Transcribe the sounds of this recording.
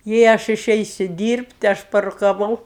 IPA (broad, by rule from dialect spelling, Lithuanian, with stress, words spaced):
jɛɪ ˈɐʃ ɪˈʃʲɛɪsʲʊ ˈdʲiːrʲpʲtʲ ˈɐʃ pɐrʊkɐˈʋɐʊ